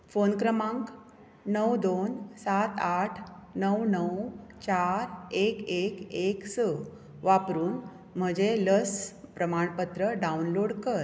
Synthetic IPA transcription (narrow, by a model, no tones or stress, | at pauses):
fonkɾəmãŋk | nəwd̪onsat̪aʈʰnəwnəwt͡ɕaɾekekeksə | ʋapɾuːn | m̤əd͡ʑeləspɾəmaɳpət̪ɾəɖaunloɽkəɾ